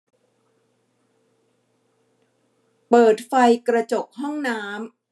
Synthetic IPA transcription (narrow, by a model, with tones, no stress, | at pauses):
pɤː˨˩t̪̚fa˧jkɾa˧t͡ɕo˨˩k̚ɦɔ˥˩ŋnaː˦˥m